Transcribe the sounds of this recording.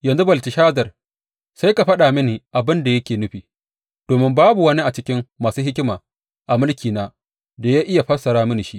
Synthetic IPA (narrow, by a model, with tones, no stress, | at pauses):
jɐ˨nzu˦bɐ˨lti˨ʃaː˦zɐ˨r | sa˦jka˨ɸɐ˦ɗa˨mɪ˦ni˨ʔa˨bɪ˦nda˨jɐ˦kʲeː˨nʊ˦ɸiː˨ | d̥oː˨mɪ˦mbaː˦bu˨wɐ˦ni˦ʔa˨t͡ʃɪ˦kʲɪ˦mːaː˨suː˦ɦɪ˦kʲɪ˦maː˨ | ʔa˨mʊ˦lkʲʰiː˨naː˦ | da˨jaː˦ʔɪ˦ja˨ɸɐ˦sɐ˨ɾaː˦mɪ˦ni˨ʃi˦ʔ